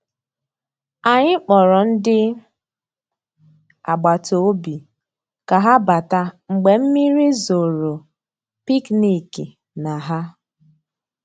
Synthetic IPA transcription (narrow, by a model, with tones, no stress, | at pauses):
a˨ɲɪ˦k͡pɔ˨ɾɔ˨n̩˦dɪ˦ | a˨ɡ͡ba˨to˨o˦bi˨ | ka˨ɦa˦ba˨ta˦ŋ͡m̩˨ɡ͡be˨m̩˦mi˦ɾi˦zo˨ɾo˨ | pi˦kni˨ki˨ | na˨ɦa˦